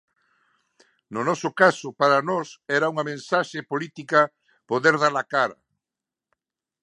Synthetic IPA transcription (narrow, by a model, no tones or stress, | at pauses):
nʊnɔsʊkasʊpaɾɐnɔsɛɾɐuŋɐmẽnsaʃepolit̪ikɐ | poðeɾð̞aɾlakaɾɐ̰